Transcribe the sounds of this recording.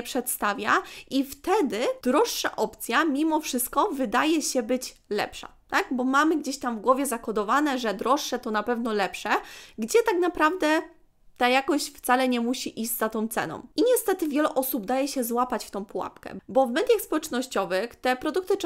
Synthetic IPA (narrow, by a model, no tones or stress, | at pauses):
pʂɛt̪st̪avʲja̰ʔift̪ɛd̪ɘd̪̥ɾɔʂːa̰ʔɔpt̪sʲjamʲimɔfʂɘst̪̚kɔvɘd̪ajɛɕɛbɘt͡ɕlɛ̰pʂa̰t̪aɡbɔmamɘɡd͡ʑeɕt̪amvɡwɔvʲjɛzakɔd̪ɔvanɛʐɛd̪ɾɔʂːɛt̪ɔnapɛvnɔlɛpʂɛɡd͡ʑɛt̪aknapɾavd̪ɛ | t̪ajakɔɕt͡ɕft̪salɛɲɛmuɕiʔiʑzat̪ɔ̃w̃t̪sɛ̰nɔ̰̃w̃iɲɛst̪ɛt̪ɘvʲjɛlɛʔɔsubd̪ajɛɕɛzwapat͡ɕft̪ɔ̃w̃puwa̰pkɛ̰bɔvmɛd̪ʲjaxspɔwɛt͡ʂnɔɕt͡ɕɔvɘxt̪ɛpɾɔd̪uk̚t̪ɘt͡ʂ